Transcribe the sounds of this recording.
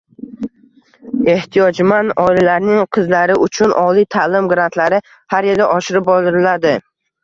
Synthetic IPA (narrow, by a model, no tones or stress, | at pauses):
e̞ht̪ʰijɒd͡ʒmanɒilalaɾnɪŋqʰɨzlaɾɪʊt͡ʃʰʊnʔɒlijt̪ʰalɪmɡɾant̪ʰlaɾɪ | haɾjelɪʔɒʃɪɾɪp̚bɒlˠɪɾɪlad̪ɪ